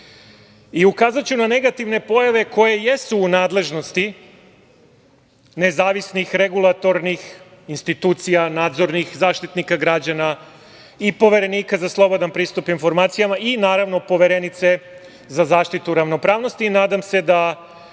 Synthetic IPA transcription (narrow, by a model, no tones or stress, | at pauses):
iukaːzat͡ɕunane̞ɡat̪iʋne̞po̞jaʋe̞ko̞je̞je̞suːnaːd̪le̞ʒno̞st̪i | ne̞zaːʋisnixɾe̞ɡulˠat̪o̞ɾnix | inst̪it̪uːt̪sijanaːd̪zo̞ɾnixzaːʃt̪it̪nikaɡɾad͡ʑana | ipo̞ʋe̞ɾe̞niːkazaslˠo̞bod̪anpɾiːst̪upinfo̞ɾmaːt̪sijamaʔinaːɾaʋno̞po̞ʋe̞ɾe̞nit̪se̞ | zazaːʃt̪it̪uɾaʋno̞pɾaːʋno̞st̪iːnaːd̪amse̞d̪a